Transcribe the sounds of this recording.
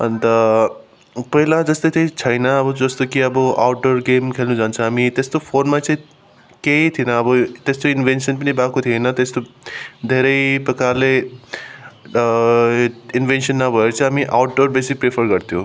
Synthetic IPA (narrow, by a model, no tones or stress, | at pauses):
ʌ̰nt̪ʌ | pʌɦilad͡zʌst̪ʌt̪ʰejt͡sʰʌjnʌːbʌd͡zʌst̪okiʌbʌʔa̰wʈɖoɾɡemkʰelnud͡zant͡sʰʌamit̪est̪opʰonmat͡saĩ | keit̪ʰinʌːbʌt̪est̪oinbʱensʌnpʌnibakot̪ʰiejnʌt̪est̪od̪ʱeɾʌjpɐkale | inbʱensʌnːʌbʱʌet͡sʰʌamiʔa̰wʈ̚ɖoɾbesik̚pɾepʰʌɾɡʌɾt̪ʰjo